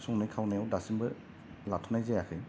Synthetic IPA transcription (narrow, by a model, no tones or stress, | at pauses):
sɔŋnɯjkʰawnajawdasimbɯ | latʰɔnajzejakʰɯj